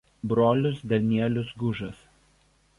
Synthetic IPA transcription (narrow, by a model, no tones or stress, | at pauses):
bɾoːlʲʊsd̪ʲɐlʲnʲiɛlʲʊsɡʊʒɐs